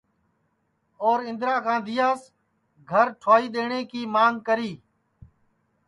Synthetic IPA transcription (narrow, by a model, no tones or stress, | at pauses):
oːɾɪ̃nd̪ɾaːkãːd̪ɪːjaːs | ɡʱəɾʈʰaːiːɗ̪eːɳeːkiːmaːŋɡkəɾiː